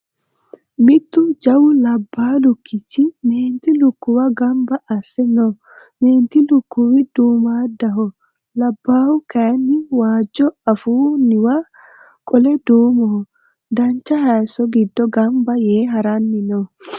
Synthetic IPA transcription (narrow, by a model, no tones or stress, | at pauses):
mɪt̪ːʊd͡ʒɐwʊlɐbːaːlʊkʰːɪt͡ʃːɪmeːnt̪ɪlʊkːʊwɐɡɐmbɐʔɐsːɛno | meːnt̪ɪlʊkːʊwɪd̪uːmaːd̪ɐɦɔ | lɐbːaːwʊkɐjnːɪwaːd͡ʒːɔɐfuːnɪwa | kʼɔlɛd̪uːmɔhɔ | d̪ɐnt͡ʃːɐhɐjsɔɡɪd̪ːɔɡɐmbɐjeːɦɐɾɐnːɪno